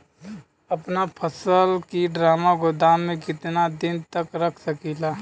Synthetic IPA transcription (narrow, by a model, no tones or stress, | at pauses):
ɐpnapʰəsəlkiɖɾaːmaɡod̪amːẽkɪt̪nad̪ɪnt̪əkɾəkʰsəkilaː